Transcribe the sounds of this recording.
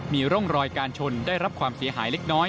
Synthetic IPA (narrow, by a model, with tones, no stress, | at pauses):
miː˧ɾo˥˩ŋɾɔː˧jkaː˧nt͡ɕʰo˧ndaː˥˩jɾa˦˥p̚kʰwaː˧msi˨˩˦ɐɦa̰ː˩˦jle˦˥k̚nɔː˦˥j